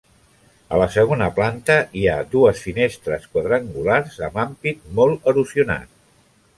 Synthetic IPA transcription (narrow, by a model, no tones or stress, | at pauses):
ə̰ləsəɣ̞onəplant̪əiad̪uəsfinest̪ɾəskwəðɾəŋɡularzəmampit̪̚mɔlˠəɾuziuna̰t̪